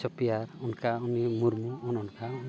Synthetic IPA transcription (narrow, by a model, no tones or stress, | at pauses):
ɔpijaɾɔnkaɔnimuɾmuɔnɔnkaɔn